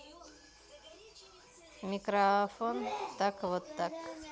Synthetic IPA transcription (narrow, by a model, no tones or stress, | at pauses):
mikɾafont̪akβɔt̪ːak